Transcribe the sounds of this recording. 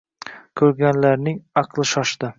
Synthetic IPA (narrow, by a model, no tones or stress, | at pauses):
kʲʰɵɾɡʲanlaɾnɪŋɑqʰlˠɪʃɒʃd̪ɪ